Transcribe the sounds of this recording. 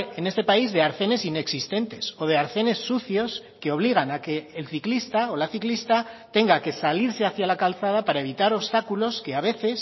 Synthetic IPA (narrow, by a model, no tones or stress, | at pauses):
e̞ne̞st̪e̞paizðe̞aɾθe̞ne̞sine̞ksist̪e̞nt̪e̞so̞ð̞e̞aɾθe̞ne̞sːuθjo̞ske̞o̞β̞liɣ̞anake̞ːlθiklist̪ao̞laθiklist̪at̪e̞ŋɡake̞saliɾse̞aθjalakalθað̞apaɾae̞β̞it̪aɾo̞βst̪akulo̞ske̞aβ̞e̞θe̞s